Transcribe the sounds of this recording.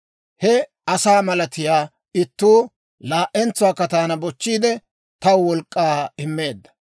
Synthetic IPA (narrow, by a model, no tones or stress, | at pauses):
hɛ | ɐsaːmɐlɐt̪ɪjaː | ɪt̪ːuː | laːʔʔɛnt͡sːʊwaːkːɐt̪aːnɐbɔt͡ʃːiːd̪ɛ | t̪ɐwwɔlkʼːaːɪmːe̞ːd̪ːɐ̥